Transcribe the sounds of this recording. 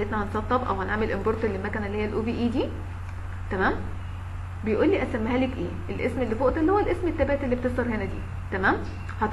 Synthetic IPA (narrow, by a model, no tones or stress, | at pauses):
ʔet̪næhɑnsˤɑt̪ˤːɑbʔæ̰whænʕaːmelʔemboɾˤt̪elːemækænælːihejːælʔuːbiːʔiːd̪iː | t̪æmæːm | bejʔuːlːiːʔæsæmːæɦælekʔeːʔelʔḛsmelːifoʔt̪ɑlihowːælʔesmet̪ːæbæːt̪elːibet̪esˤt̪ɑɾhenæd̪iː | t̪æmæːm | hæt̪